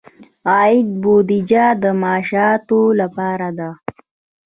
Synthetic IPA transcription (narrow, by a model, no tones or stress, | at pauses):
ɑːɪd̪̚bod̪id͡ʒad̪əmɑːʃɑt̪olapɑːɾad̪a